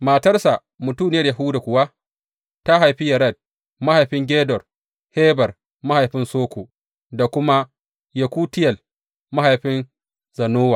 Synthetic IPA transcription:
maː˨tɐ˦rsa˨ | mʊ˨tu˦˨nɪ˦jɐ˦rjɐ˨ɦuː˦da˨kʷʊ˨wa˦ | ta˦ɦa˨jɸi˦jɐ˨ɾɐ˦˨d̚ | ma˦ha˨jɸɪ˦ŋɡʲeː˦dɔ˨r | heː˦bɐ˨r | ma˦ha˨jɸɪ˦nsoː˦kʷoː˨ | da˨kʷʊ˦ma˦ | jɐ˨kʷuː˦tɪ˦jɐ˨l | ma˦ha˨jɸɪ˦n | zɐ˨noː˦wa˨

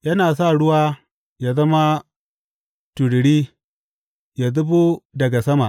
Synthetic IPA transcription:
jɐ˦naː˨sa˦˨ɽʊ˦waː˦ | ja˨zɐ˦ma˦ | tu˨ɽɽiː˦ | ja˨zʊ˦bo˦dɐ˨ɡa˨sɐ˦ma˨

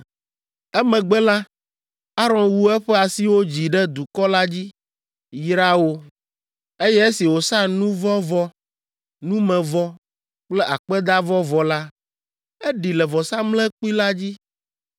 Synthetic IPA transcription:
ɛ˦mɛ̃˨ɡ͡bɛ˦la˦ | a˦ɾɔ̃˨nwu˦ɛ˦ɸɛ˦a˨si˦wo˦d͡ʑi˨ɖɛ˦d̪u˨kɔ˦la˦d͡ʑi˦ | jɾa˦wo˦ | e˦jɛ˦e˦si˨wo˨sa˦nũ˦vɔ˦vɔ˦ | nũ˦mɛ̃˨vɔ˦ | k͡plɛ˦ʔa˨k͡pɛ˦d̪a˦vɔ˦vɔ˨la˦ | ɛ˦ɖi˨lɛ˨vɔ˨sa˦mlɛ˦k͡pu˦i˦la˦d͡ʑi˦

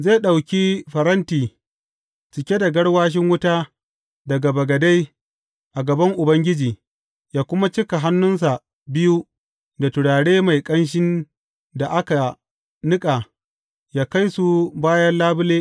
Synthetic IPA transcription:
ze˦˨ɗa˨wkʲiː˦ɸɐ˨ɾɐ˦ntiː˨ | t͡ʃɪ˨kʲe˦da˨ɡɐ˦ɽwaː˦ʃ̬ɪ˦ŋwʊ˦taː˦ | dɐ˨ɡa˨bɐ˨ɡɐ˨da˦j | ʔa˨ɡɐ˨bɐ˦ŋʔʊ˨bɐ˦ŋɡʲɪ˦d͡ʒiː˨ | jaː˦kʷʊ˦ma˦t͡ʃɪ˦ka˨ɦa˦nːʊ˦ns̬a˨ | bɪ˦ju˦ | da˨tʊ˨ɽaː˨ɽeː˦ma˨jkʼɐ˦nʃ̬ɪ˦n | da˨ʔa˦ka˨ | nɪ˦kʼa˨ | jaː˦ka˦jsu˦baː˦jɐ˦nlaː˦bʊ˦leː˦

